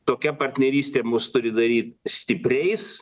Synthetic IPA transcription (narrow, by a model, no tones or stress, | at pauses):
t̪oːkʲɛpɐrʲt̪ʲnʲɛɾʲiːsʲt̪ʲeːmʊst̪ʊɾʲɪd̪ɐɾʲiːt̪sʲt̪ʲɪpʲɾʲɛɪs